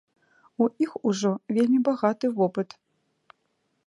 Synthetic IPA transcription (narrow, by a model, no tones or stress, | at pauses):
uʔixuʐɔvʲelʲmʲibaɣat̪ɨvɔpɨt̪